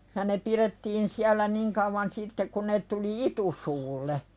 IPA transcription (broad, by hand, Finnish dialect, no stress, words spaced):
jɑ ne piretːiːn siælˑæ niŋ kɑuʋɑn sitːe kun ne tuli itusuːlːe